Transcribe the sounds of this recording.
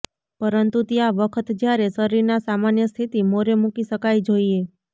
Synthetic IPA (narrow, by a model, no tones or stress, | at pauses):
pəɾənt̪ut̪jaʋəkʰət̪d͡ʒjaɾesəɾiɾnasamanjəst̪ʰit̪imoɾemukiʃəkajd͡ʒoie